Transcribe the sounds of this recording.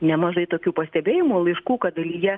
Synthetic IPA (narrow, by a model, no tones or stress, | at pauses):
nʲɛmɐʒɐɪt̪oːkʲuːpɐsʲt̪ʲɛbʲeːjɪmulˠɐɪʃkuːkɐd̪ɐlʲijɛ